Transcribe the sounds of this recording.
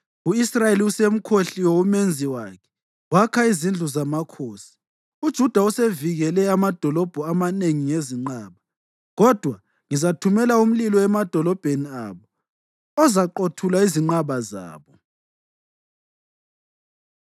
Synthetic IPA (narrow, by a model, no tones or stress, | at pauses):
uisrajeliusem̩kʰoɬiwoumend͡zʱiwaːkʰɛ̥ | wakʰaizind͡ɮʱuzamakʰoːsi̥ | ud̥ʒ̥ʱud̥ʱauseviɣɛlɛamad̥ʱɔlɔb̥ʱɔamaneŋiŋeziŋ͡ǃaːβa | ɣɔd̥ʱwa | ŋizatʰumɛlaum̩lilɔɛmad̥ʱɔlɔb̥ʱeniaːβɔ | ɔzaǃotʰulaiziŋ͡ǃaβaza̰ːβɔ